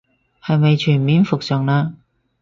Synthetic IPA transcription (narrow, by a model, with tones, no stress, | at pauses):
hɐ˨˧jmɐ˨jt͡ʃʰyː˨˩nmiː˨˥nfʊ˨k̚sœː˨ŋlaː˧